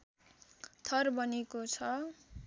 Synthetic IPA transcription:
t̪ʰʌrbʌnekot͡sʰʌ

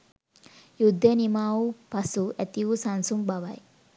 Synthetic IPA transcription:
jud̪ʱːənimaːupasuʔæt̪iʋusansumbaʋaj

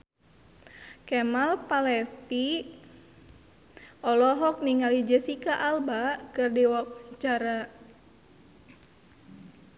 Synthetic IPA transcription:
kɛmalpalɛt̪i | ɔlɔɦɔk̚niŋalid͡ʒɛsikaʔalbakɨrdiwɔk̚t͡ʃaɾa

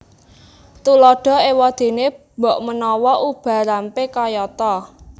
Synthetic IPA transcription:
t̪ulɔɖ̥ɔ̤ewɔd̪̥e̤ne | bɔ̤ʔmənɔwɔʔub̥ä̤ɾampekajɔt̪ɔ

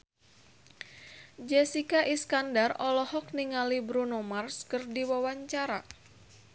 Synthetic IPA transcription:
d͡ʒɛsikaʔiskandarɔlɔhɔk̚niŋalibɾunomarskərdiwawaɲt͡ʃaɾa

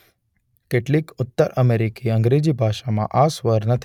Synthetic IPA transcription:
keʈlikʊt̪ːəɾʔəmeɾikiəŋɡɾed͡ʑibʱaʃamã̰ʔasʋəɾnət̪ʰ

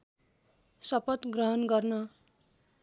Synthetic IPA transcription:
sʌpʌt̪ɡrʌɦʌnɡʌrnʌ

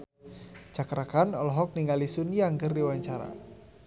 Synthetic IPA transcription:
d͡ʒakɾakanɔlɔɦɔk̚niŋalisunijaŋkərdiwaɲt͡ʃaɾa̰

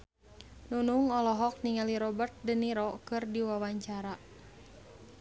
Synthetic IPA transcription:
nunuŋɔlɔɦɔk̚niŋaliɾɔbərt̪̚dəniɾɔkɨrdiwawaɲt͡ʃaɾa

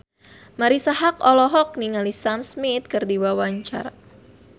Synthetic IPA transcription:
maɾisaɦakɔlɔɦɔk̚niŋalisamsmit̪̚kɨrdiwawaɲt͡ʃa̰r

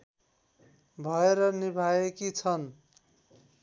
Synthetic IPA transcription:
bʱʌeɾʌnibʱajekit͡sʰʌn

